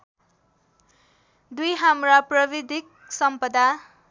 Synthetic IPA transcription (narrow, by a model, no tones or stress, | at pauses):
d̪ujɦamraprʌbid̪ʱik̚ | sʌmpʌd̪a